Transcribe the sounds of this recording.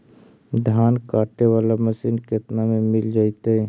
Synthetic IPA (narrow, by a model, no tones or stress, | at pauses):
d̪ʱjaːnkaːʈeʋaːlaməsiːnket̪namẽmɪld͡ʒaːit̪eɦɛ